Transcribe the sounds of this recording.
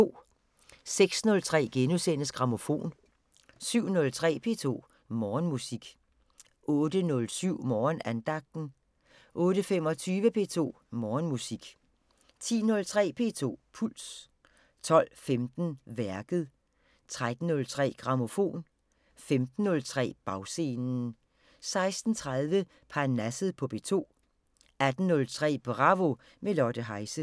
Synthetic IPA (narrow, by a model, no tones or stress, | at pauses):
o̝̰ː | seɡ̥snɔ̽lt͡sʰʁɛ̰ːɡ̥enusen̰əsɡ̥ʁɑ̈mo̝fo̝̰ːn | syʊ̰nɔ̽lt͡sʰʁɛ̰ːpʰe̝̰ːt͡sʰo̝̰ː | mɒːnmusiɡ̥ | ʔɔːd̥ənɔ̽lsyʊ̰mɒːnænd̥ɑ̈ɡ̥̚d̥n̩ | ʔɔ̽ːɾəfem̰ɒ̽t͡sʰyːʋəpʰe̝ːt͡sʰo̝̰ː | mɒːnmusiɡ̥ | t͡sʰḭːnɔ̽lt͡sʰʁɛ̰ːpʰe̝̰ːt͡sʰo̝̰ːpʰul̰s | t͡sʰɒ̽l̰femd̥n̩ʋæɐɡ̥ð̞̩ˠ | t͡sʰʁad̥n̩ːɔ̽lt͡sʰʁɛ̰ːɡ̥ʁɑ̈mo̝fo̝̰ːn | femd̥n̩ːɔ̽lt͡sʰʁɛ̰ːb̥ɑ̈ʊse̝ːnn̩ | sɑ̈ɪsd̥n̩t͡sʰʁað̞ˠʋə | pʰɑnæsð̞̩ˠpʰɒ̽b̥e̝̰t͡sʰo̝̰ː | æd̥n̩ːɔ̽lt͡sʰʁɛ̰ːb̥ʁɑ̈ʋo̝ | melɒd̥əɦɑ̈ɪsə